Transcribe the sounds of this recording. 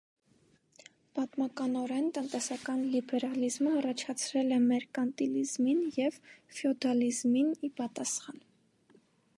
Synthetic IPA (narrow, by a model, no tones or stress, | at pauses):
b̥ɑt̪mɑkɑnɔɾɛnt̪ənt̪ɛsɑkɑnlibɛɾɑlizməɑrɑt͡ʃʰɑt͡sʰɾɛlɛmɛɾkɑnt̪ilizminjɛvfiɔd̪ɑlizminipɑt̪ɑsχɑn